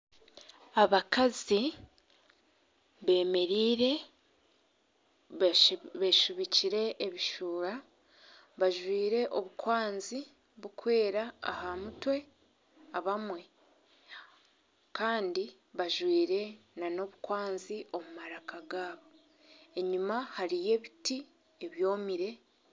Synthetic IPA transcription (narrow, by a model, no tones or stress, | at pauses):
aβakazi | βe̞ːme̞ɾiːɾe̞ | βeʃuβiciɾe̞ʔːβiʃuːɾa | βaʒwiːɾe̞ʔo̞βukwaːnzi | βukwe̞ːɾa̰ːhamutwe̞ | aβamwe̞ | kaːndi | βaʒwiːɾe̞nano̞βukwaːnziʔo̞mumaɾakaɡaːβo̞ | eɲumahaɾije̞βiti | e̞βjo̞ːmiɾe̞